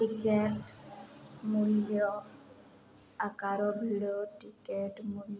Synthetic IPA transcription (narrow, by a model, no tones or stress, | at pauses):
ʈikeʈ | muljɔ | akaɾɔbʱiɽɔʈikeʈmulj